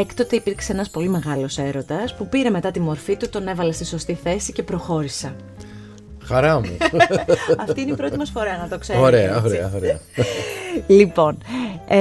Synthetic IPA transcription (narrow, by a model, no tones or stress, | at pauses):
ekt̪ot̪eipiɾkseenɐspo̞lime̞ɣɐlo̞se̞ɾo̞t̪ɐspupiɾe̞me̞t̪ɐt̪imo̞ɾfit̪ut̪o̞ne̞vɐlɐst̪iso̞st̪iθe̞sice̞pɾo̞xo̞ɾisɐ | xɐɾɐmṵ | ɐft̪ineiipɾo̞t̪imɐsfo̞ɾɐnɐt̪o̞kseoɾeɐoɾeɐ̰oɾeɐ | lipo̞n